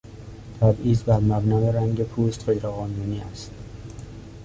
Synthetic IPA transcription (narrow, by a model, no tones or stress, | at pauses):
t̪ʰæbiːzbæɾmæbnɒːjeɾæŋɟepʰuːst̪χejɾæːɣɒːnuːniːæst̪